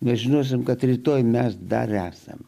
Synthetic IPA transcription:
nʲɛʒʲɪnoːs̬ʲɪmkɐt̪ɾʲiːt̪oːjmʲɛsd̪ɐ̰ɾæːsɐ̰m

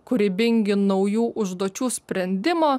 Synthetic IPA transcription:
kʊɾʲɪbʲɪŋʲɡʲɪnɔʊjuːʔʊʒd̪oɔt͡ʃʲuːsʲpʲɾʲɛnʲd̪ʲɪmoː

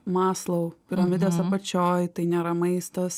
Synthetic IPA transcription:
mɑːslˠɐʊpʲɪɾɐmʲɪd̪ʲɛsɐpɐt͡ʃʲoːjt̪ɐɪnʲeːɾɐmɐɪst̪ɐs

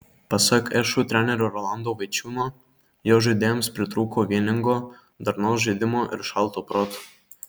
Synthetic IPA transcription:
pɐsʲɐkɛʃut̪ʲɾʲænʲɛɾʲoɾɔlˠɑnd̪oːʋɐɪt͡ʃʲuːnoː | joːʒɨd̪ʲeːjomspʲɾʲɪt̪ɾuːkoːʋʲiɛnʲɪŋɡo | d̪ɐɾnɔʊsʒʲɨd̪ʲɪmoːʔɪ̰ɾʃɑˑlˠt̪oːpɾoːt̪

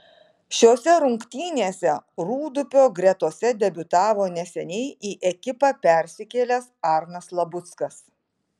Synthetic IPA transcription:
ʃʲoːsʲɛɾʊŋkt̪ʲiːnʲeːsʲɛɾuːd̪ʊpʲoːɡɾʲɛt̪oːsʲɛd̪ʲɛbʲʊt̪ɑːʋoːnʲɛsʲɛnʲɛɪiːʔɛkʲɪpɑːpʲɛˑɾʲsʲɪkʲeːlʲɛsɑˑɾnɐslˠɐbʊt̪skɐs

